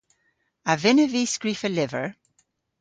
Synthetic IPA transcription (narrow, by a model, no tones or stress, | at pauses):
əvɪnəviːskɹifəlɪvə̰˞